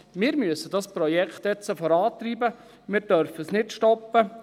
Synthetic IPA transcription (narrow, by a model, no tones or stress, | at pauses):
mɪːɾmyəsədɑspɾɔjɛkχt̪ɛt͡sːəfɔɾɑːt̪ɾiːbə | mɪːɾd̥œɾfəsnɪtʃtɔpːə